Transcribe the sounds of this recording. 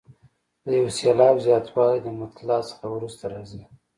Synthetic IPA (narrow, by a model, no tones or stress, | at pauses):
d̪əjawsjɑlɑbzjɑt̪ʰwɑlajd̪əmʊt̪lɑsə̥xawɾust̪aɾɑzi